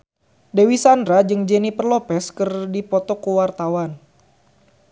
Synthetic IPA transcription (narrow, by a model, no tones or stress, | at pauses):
dewisandɾad͡ʒɨŋd͡ʒɛnipərlɔpɛskɨrdipɔt̪ɔkuwart̪awan